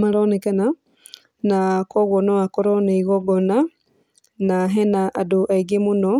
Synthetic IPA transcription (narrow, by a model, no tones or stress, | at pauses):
maɾonekana | nakoɣonoakoɾoneiɣoɡona | naɦenaʔaduʔaiɡemuno